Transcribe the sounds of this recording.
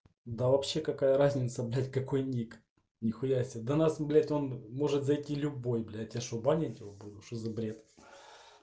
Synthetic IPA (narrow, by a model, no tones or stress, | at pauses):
d̪avɐpɕːe̞kɐkajəɾazʲnʲɪt̪səblʲætʲkɐko̞jnʲik | nʲɪxʊjasʲəd̪ɐnasblʲætʲo̞nmo̞ʐɨt̪zɐjtʲilʲʊbo̞jblʲætʲɐʂobanʲɪt̪ʲɪvobud̪ʊʂozɐbɾʲet̪